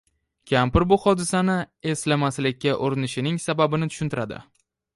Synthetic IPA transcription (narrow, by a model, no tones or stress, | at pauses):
kʲʰampɪɾbʊhɒd̪ɪsanɪe̞slamaslɪkʲːaʔoɾɪnɪʃɪnɪŋsababɪnɪt̪ʰʊ̥ʃʊnt̪ɪɾʔad̪ɪ̰